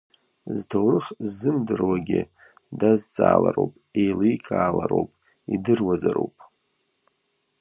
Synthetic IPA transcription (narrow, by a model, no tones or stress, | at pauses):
ztʰowrɨχzɨmdɨrwaɡʲɪ | dazt͡sʼaːlaɾowpʼejlijkʼaːlaɾowpʼ | idɨrwazaɾowpʼ